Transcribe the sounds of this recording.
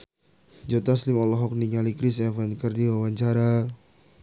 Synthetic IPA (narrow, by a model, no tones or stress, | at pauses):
d͡ʒot̪aslimɔlɔɦɔk̚niŋalikɾisɛfankərdiwawaɲt͡ʃaɾa